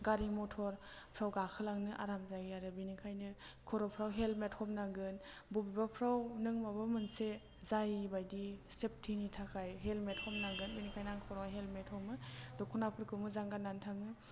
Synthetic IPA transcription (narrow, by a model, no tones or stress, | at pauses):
ɡaɾimɔtʰɔɾpʰɾawɡakʰɯlaŋnɯʔa̰ɾamzajaɾɯbinikʰajnɯkʰɔɾɔpʰɾawɦelmet̚hɔpnaɡɯnbubibapʰɾawnɯŋmabamɯnse | zajbajdisep̚tʰinitʰakʰajɦelmet̚hɔp̚naɡɯnbinikʰajnaŋkʰɔɾɔɦelmethɔmɯdɔkʰunapʰɯɾkʰɯmɯzaŋɡanːantʰaŋɯ